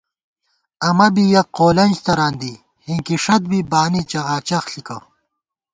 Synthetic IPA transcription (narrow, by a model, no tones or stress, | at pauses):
ɐmɐbijɐqoːlɐnʲd͡ʑt̪ɐɾaːnd̪i | hiŋkiʂɐt̪̚bibaːnit͡ɕɐʁaːt͡ɕɐxɬikɐ